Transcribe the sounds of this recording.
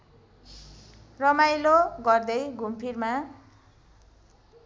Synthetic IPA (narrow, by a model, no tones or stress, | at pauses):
rʌmajloɡʌrd̪ʌjɡʱumpʰirma